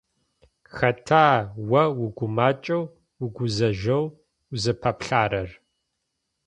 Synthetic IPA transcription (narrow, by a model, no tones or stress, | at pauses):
xɐtʰaːwɐwʊɡʷʊmaːt͡ʃʼɐw | wʊɡʷʊzɐʒɐw | zɨpʰɐpɬaːɾɐr